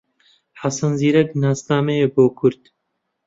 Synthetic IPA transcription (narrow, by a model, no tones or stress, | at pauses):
ħasanziːɾɛknaːst̪aːmejeːboːkʰʊɾd̪̥